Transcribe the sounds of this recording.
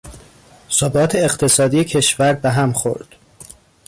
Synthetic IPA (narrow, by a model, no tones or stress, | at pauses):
sobɒːt̪ʰeːqt̪ʰe̞sɒːd̪iːjecʰe̞ʃvæɾbeɦæmxo̞̰ɾd̪̥